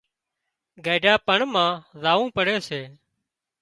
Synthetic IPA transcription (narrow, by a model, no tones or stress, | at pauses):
ɡeːɖʱaːpəɳmãːzaːʋũːpəɽeːseː